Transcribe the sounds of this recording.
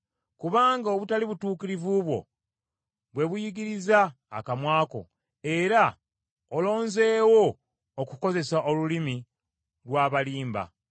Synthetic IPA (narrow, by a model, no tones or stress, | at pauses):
kuβaːŋɡaoβutaliβutuːkiɾivuβwo̞̰ | βwe̞βujiɡiɾizaː | kamwaːko̞̰ | e̞ɾa | olo̞ːnze̞ːwo̞ː | kuko̞ze̞saʔolulimi | lwaːβaliːmba̰